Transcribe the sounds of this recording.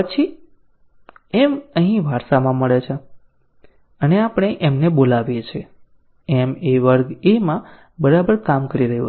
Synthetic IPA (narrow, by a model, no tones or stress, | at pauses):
pət͡ʃʰi | eməɦĩʋaɾʃamãməɭet͡ʃʰe | əneapəɳ̃eʔemnebolaʋjet͡ʃʰe | emeʋəɾɡemã | bəɾabəɾkamkəɾiɾəɦṵ